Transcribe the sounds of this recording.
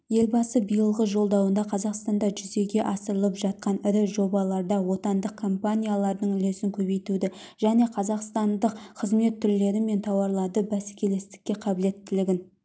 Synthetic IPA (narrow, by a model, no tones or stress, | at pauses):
je̞lʲbɑsəbijəlˠʁəʒo̞lˠd̪ɑwənd̪ɑqʰɑzɑqst̪ɑnd̪ɑʒʏze̞ɡʲe̞ʔɑsəɾəlˠəpʒɑt̪̚qɑnɪɾɪʒo̞bɑlˠɑɾd̪ɑwo̞t̪ɑnd̪əq̚kʰo̞mpanʲijalˠɑɾd̪əɴʏlesɪŋkʲʰɵβe̞jt̪ud̪ɪ | ʒ̥æne̞qʰɑzɑqst̪ɑnd̪əqqʰəzme̞t̪ʰːʏɾle̞ɾɪme̞nt̪ʰɑwɑɾlˠɑd̪əbæskʲʰe̞le̞st̪ɪ̥kʲːe̞qʰɑbɪle̞t̪ʰːɪlɪɡʲɪn